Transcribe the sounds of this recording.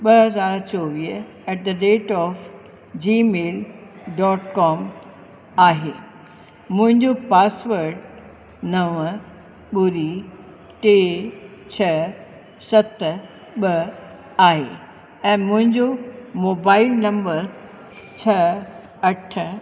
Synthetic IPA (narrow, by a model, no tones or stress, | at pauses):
ɓɐɦɐzaːɾt͡ɕoːʋiː | ɛːʈ̚d̪əɖeːʈɔːf | d͡ʑiːmeːlɖɔːʈkɔːm | aːɦeː | mʊ̃ɦɪ̃ɲd͡ʑopaːsʋəɾɖ | nɐʋ | ɓʊɾi | ʈeːt͡ɕʰɐ | sɐt̪ | ɓɐ | aːɦḛ | ɛ̃ːmʊ̃ɦɪ̃ɲd͡ʑomoːbaːɪlnɐ̃mbəɾ | t͡ɕʰɐ | ɐʈʰ